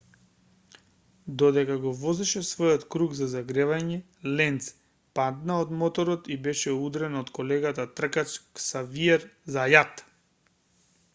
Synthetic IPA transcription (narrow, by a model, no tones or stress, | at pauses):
d̪ɔd̪ɛkaɡɔvɔzɛʃɛsvɔjɔt̪kɾuɡzazaɡɾɛvaɲɛ | lɛnt̪s | pad̪naod̪mɔt̪ɔɾɔt̪ibɛʃɛud̪ɾɛnɔt̪kɔlɛɡat̪at̪r̩kat͡ʃksaviɛɾzajat̪